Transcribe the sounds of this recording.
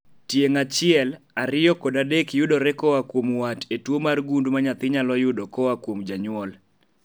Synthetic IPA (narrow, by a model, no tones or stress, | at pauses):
tjeŋat͡ʃɪɛlaɾɪɔkɔdadekjʊdɔɾɛkɔwakwomwatʰetwomarɡundmaɲat̪ɪɲalɔjʊdɔkɔwakwomd͡ʒaɲʊɔl